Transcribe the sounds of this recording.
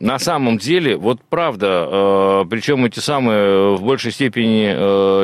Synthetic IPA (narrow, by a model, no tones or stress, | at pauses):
nɐsaməmdʲelʲɪvo̞t̪̚pɾavd̪əəpɾʲɪt͡ɕo̞mɛtʲɪsamɨjəvbo̞lʲʂəjsʲtʲepʲɪnʲɪə